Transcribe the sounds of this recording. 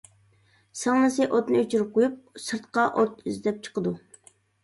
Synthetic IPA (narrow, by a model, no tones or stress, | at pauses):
sɑŋnɨsɨʔot̪nɨyt͡ʃʰyɾyp̚qʰojup̚sɨɾt̪qɑʔot̪yzd̪ɛp̚t͡ʃʰə̥qəd̪u